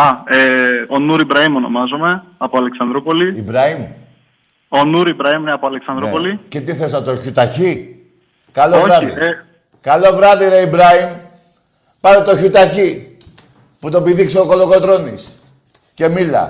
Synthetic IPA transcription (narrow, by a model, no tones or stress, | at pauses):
ɐeonuɾibɾɐimono̞̰mɐzome̞ɐpoɐleksɐnd̪ɾopo̞liibɾɐim | onuɾibɾɐimineɐpoɐleksɐnd̪ɾopolice̞t̪iθe̞sɐt̪o̞çut̪ɐçi | kɐlooɾɐðḭe | kɐlo̞vɾɐðiɾe̞ibɾɐim | pɐnet̪o̞çut̪ɐçi | put̪o̞biðikseoko̞lo̞ɣo̞t̪ɾo̞nis | ce̞milɐ̰